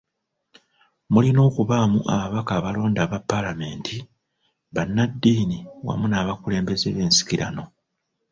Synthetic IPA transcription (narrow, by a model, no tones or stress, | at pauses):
mulino̞ːkuβaːmṵʔa̰βaβakaːβalo̞ːndaːβapːalame̞ːntʰi | βanːadːiːniwa̰munaːβakule̞ːmbe̞zeβe̞ːnsi̥kiɾa̰no̞